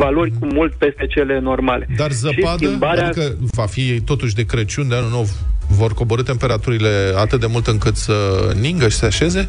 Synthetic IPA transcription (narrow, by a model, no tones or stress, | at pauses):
valo̞rʲkumult̪pe̞st̪e̞t͡ʃe̞le̞no̞rmaled̪arzəpad̪iəmbaɾaedaikəvafit̪o̞t̪uʃ̬ʲd̪e̞kɾet͡ʃund̪eanulnowvo̞rko̞bo̞ɾɨt̪e̞mpe̞ɾat̪uɾile̞at̪ɨt̪̚d̪e̞mult̪ɨŋkɨt̪səniŋɡəʃi̥seaʃe̞ze̞